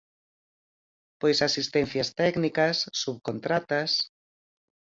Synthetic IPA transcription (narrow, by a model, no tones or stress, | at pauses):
pojsasist̪ɛn̟θjɐst̪ɛknikɐsːuβkont̪ɾat̪ɐs